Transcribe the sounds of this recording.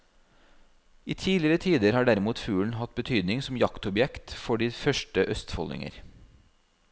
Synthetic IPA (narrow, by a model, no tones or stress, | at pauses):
ʔiːt̪ʰiːlɪəɾət̪ʰiːd̪əɾhɑːɖæɾɪmuːt̪fʉːɳ̩hɑt̪̚bət̪ʰyːd̪nɪŋsɔm̩jɑkt̪ɔbjɛkt̪fɔɖiːfœʃʈəʔœst̪fɔ̰lɪ̰ŋə̰ɾ